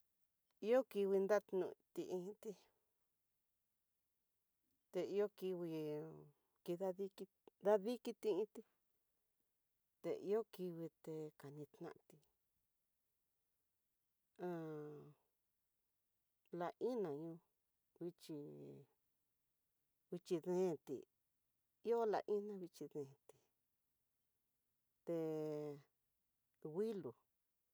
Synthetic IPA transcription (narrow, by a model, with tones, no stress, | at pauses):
i˦o˦ki˧wi˧nd̪a˦t̪nṵ̃˧˨t̪i˧ʔĩ˧˦t̪i˧ | t̪e˧i˧˦o˦ki˧βi˧ | ki˧ða˦ði˦ki˧ | nd̪a˦ði˦ki˧t̪ĩ˧ĩ˦t̪i˧ | t̪ḛ˧ʔḭ˧˦o˦ki˧wi˧t̪e˧ka˨nĩ˧t̪nã̰˧ʔt̪i˧ | ã˧ | la˧ʔĩ˦nã˨ɲũ˧ | βi˧t͡ʃi˧ | βi˧t͡ʃi˧ðẽː˦˧˨t̪ḭ˨ | i˦o˦la̰˧ʔĩ˦nã˦˧βi˧t͡ʃi˧ðẽ˨t̪i̥˨ | t̪e˧ | ɣi˦lu˨